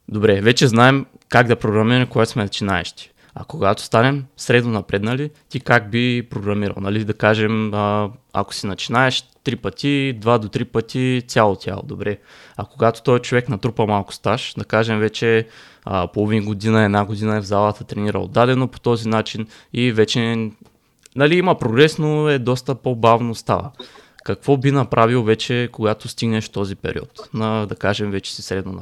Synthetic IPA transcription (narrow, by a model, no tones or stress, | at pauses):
d̪obɾɛvɛt͡ʃɛznaɛm | kaɡd̪ɐpɾoɡɾɐmiɾɐɛmkoɡat̪o̥smɛnɐt͡ʃinaɛ̰ʃt̪i̥ | ɐ̰koɡat̪o̥st̪anɛmsɾɛd̪nonɐpɾɛd̪nɐlit̪ikak̚bipɾoɡɾɐmiɾɐ̰lˠnɐlid̪ɐkaʒɛməa̰ko̥sinɐt͡ʃinaɛʃt̪ɾipət̪ʲid̪vad̪ot̪ɾipət̪isʲjalˠot̪ʲja̰lˠo̰d̪obɾɛ | ɐkoɡat̪o̥t̪ɔɛt͡ʃovɛknɐt̪ɾupɐmalˠkʊ̥st̪aʃd̪ɐkaʒɛmvɛt͡ʃɛ | polˠovinɡod̪inɐɛd̪naɡod̪inɐɛvzalˠət̪ɐt̪ɾɛniɾə̰o̰d̪ːad̪ɛnopo̥t̪ɔzinat͡ʃinivɛt͡ʃɛ | nɐliimɐpɾoɡɾɛsnoɛd̪ɔst̪əpobavnost̪a̰və̰kɐkvɔbinɐpɾʔavilˠvɛt͡ʃɛkoɡat̪ost̪iɡnɛʃt̪ɔzipɛ̰ɾʲʔḭɔ̰t̪nɐd̪ɐkaʒɛmvɛt͡ʃɛ̥si̥sɾɛd̪non̰